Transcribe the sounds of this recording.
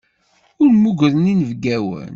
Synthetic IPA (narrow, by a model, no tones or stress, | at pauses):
ʊɾmuɡʷɾəninəvɡæwə̰n